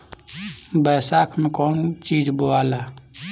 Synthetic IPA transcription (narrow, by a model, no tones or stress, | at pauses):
bəːsaːkʰmẽkɔːnt͡ʃiːd͡ʒboaːlaː